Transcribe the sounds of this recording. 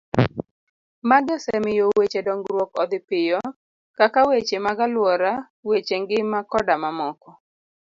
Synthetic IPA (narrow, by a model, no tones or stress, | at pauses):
maɡɛsɛmɪjowet͡ʃedɔŋɡɾwɔkɔd̪ɪpɪjɔ | kakawet͡ʃemaɡalwɔɾa | wet͡ʃeŋɡɪmakɔdamamɔkɔ